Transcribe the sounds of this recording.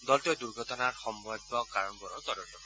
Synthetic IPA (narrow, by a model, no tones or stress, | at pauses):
dɔltiɔduɹɡʱɔtɔnaɹxɔmbɔjɡɔkaɹɔnbɔɹɔt̪ɔdɔntɔk